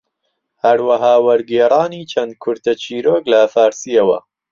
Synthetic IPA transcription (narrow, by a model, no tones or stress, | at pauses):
hɐɾwɐɦaːwɐɾɡeːɾˤɑːniːt͡ʃʰɐnd̪̚kʰʊɾt̪ʰɐt͡ʃʰiːɾoːklɐfaːɾsijɐwɐ̰